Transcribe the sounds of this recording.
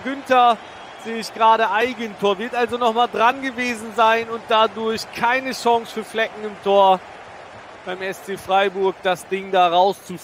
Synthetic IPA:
ɡʏntɐ | z̥eːɪçɡ̥ʁaːɾəʔaɪɡəntʰoːɐvɪɐtʔalzonɔχmaːldʁanɡəveːzn̩zaɪnʊnt̚d̥adʊɐçkʰaɪnəʃɔŋsfyːɐflɛkŋ̩ɪmtʰoːɐ | b̥aɪmɛst͡seːfʁ̥aɪbʊɐk̚d̥asd̥ɪŋdaːʁaʊst͡su

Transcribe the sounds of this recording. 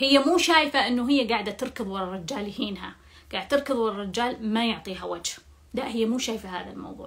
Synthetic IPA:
hɪjːamuːʃaːjfaʔɪnːuɦɪjːaɡaːʕd̪at̪ːɨɾkɨðˤwɑɾˤɑrˤɪd͡ʒːaːlhiːnɦa̰ | ɡ̥aːʕɪd̪̚t̪ːɨɾˤkɨðˤwɑɾˤɑrˤːɑd͡ʒːaːlmajʊʕt̪ˤiːɦawad͡ʒh | laʔhɪjːamuːʃaːjfaɦa̰ːða̰lmɑ̰wðˤṵːʕ

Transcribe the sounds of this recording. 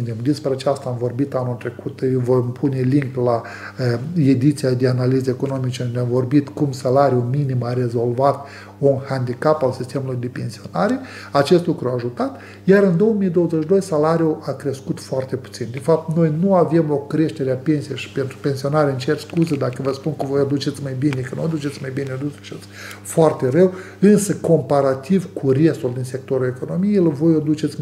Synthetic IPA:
nimd̪ispɾeat͡ʃast̪aamvo̞rbit̪anult̪ɾe̞kut̪vojmpʰune̞liŋkla | ed̪it̪siad̪eanalizəeko̞no̞mit͡ʃekɨnd̪eamvo̞rbit̪kumsalaɾiuminimaɾe̞zo̞lvat̪ | unhand̪ikapalsist̪e̞mulujd̪e̞pe̞nsio̞naɾe̞ | at͡ʃe̞st̪lukɾuaːʒut̪at̪ | jaɾɨnd̪o̞wəmijd̪o̞wəzeʃd̪o̞jsalaɾijuʔakɾe̞skut̪foart̪e̞pu̥t̪sind̪enfap̚t̪no̞jnuave̞mo̞kɾe̞ʃt̪e̞ɾeape̞nsijejʃi̥pe̞nt̪ɾupe̞nsio̞naɾeɨnt͡ʃearskuzəd̪akəvəspunkəvojad̪ut͡ʃe̞t̪sʲmajbinekənuad̪ut͡ʃe̞t̪sʲmajbineod̪ut͡ʃet̪s | foart̪e̞rew | ɨnsəko̞mpaɾat̪ivkʰure̞st̪uld̪inse̞k̚t̪o̞ɾue̞ko̞no̞mijejlovo̞jod̪ut͡ʃe̞t̪sʲ

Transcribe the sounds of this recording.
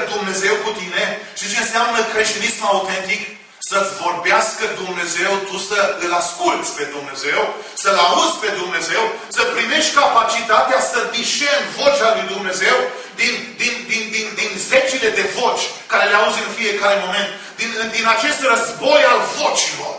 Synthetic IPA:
d̪umne̞ze̞wkut̪ine̞t͡ʃet͡ʃenseamnəkɾe̞ʃt̪inismaut̪e̞nt̪ik | səvo̞rbeaskəd̪umne̞ze̞wt̪usəɨlaskult̪sʲpe̞d̪umne̞ze̞w | səlauzʲpe̞d̪umne̞ze̞wsəpɾime̞ʃt̪ʲkapat͡ʃit̪at̪easəd̪iʃervo̞t͡ʃʲalujd̪umne̞ze̞w | d̪ind̪ind̪ind̪ind̪inze̞t͡ʃile̞d̪e̞vot͡ʃʲkaɾe̞leauzeɨnfije̞kaɾe̞mo̞me̞nt̪ | d̪inɨd̪inat͡ʃe̞st̪rəzbo̞jalvo̞t͡ʃilo̞̰r

